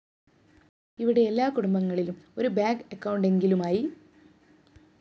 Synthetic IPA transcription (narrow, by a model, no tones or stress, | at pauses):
iʋiɽe̞elːaːkuɽumbɐŋːɐɭilumo̞ɾubaːɡɐkːɐwɳɖe̞ŋɡilumaːji